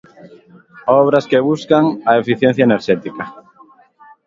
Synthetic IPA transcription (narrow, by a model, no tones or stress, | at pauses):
ɔβ̞ɾɐskeβuskaŋɐefiθjẽn̟θjaɐeneɾʃɛt̪ikɐ